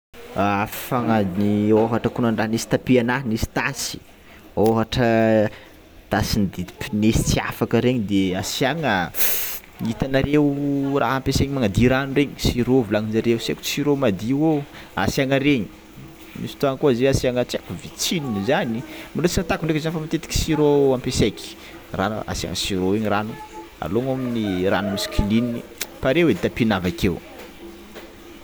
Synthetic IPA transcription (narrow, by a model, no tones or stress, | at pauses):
affaŋanioɦaʈ͡ʂəkunaɳɖ͡ʐaɦnisi̥t̪apiananisi̥t̪asi̥ | oɦaʈ͡ʂə | t̪asind̪ipinesi̥t͡sia̰fakəɾeɲid̪easiaŋə | it̪anaɾewra̰ɦampeseɲimaŋad̪iɾanuɾeɲi̥siɾovulaŋinzaɾewuseku̥t͡siɾomad̪iwoa̰siaŋəɾeɲi̥ | misi̥t̪uaŋəkuazeasiaŋət͡sakuvit͡sininizanimilot͡sinat̪akunɖ͡ʐekzanfamat̪et̪i̥ki̥siɾoampeseki̥ | ran̰a̰sia̰ŋə̰siɾoeɲiranua̰loŋaminiɾa̰numiskʰiliniipaɾewed̪it̪apinavakew